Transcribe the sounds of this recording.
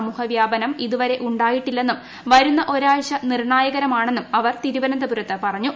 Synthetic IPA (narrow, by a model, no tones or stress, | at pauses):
muːhɐʋjaːbɐnɐmiðuʋɐɾe̞ʔuɳɖaːjiʈːilːe̞nːum | ʋɐɾunːɐʔo̞ɾaːɭɕɐnirɳaːjɐɣɐɾɐmaːɳenːumɐʋɐrt̪iɾuʋɐnɐnd̪ɐbuɾɐt̪ːepɐrɐɲːu